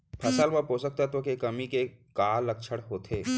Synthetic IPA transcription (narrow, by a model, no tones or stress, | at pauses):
pʰɐsəlmə̃posək̚t̪at̪okekɐmikekaːlːɐkʃʰəɽɦoːt̪ʰeː